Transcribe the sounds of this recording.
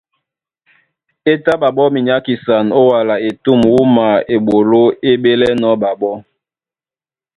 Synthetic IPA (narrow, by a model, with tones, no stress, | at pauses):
e˦ta˦ɓa˨bɔ˦mi˨ɲa˨˦ki˨sa˨no˦wa˨la˨e˨tu˦˨mwu˦ma˨e˨ɓo˨lo˦e˦be˦lɛ˦nɔ˨˦ɓa˨bɔ˦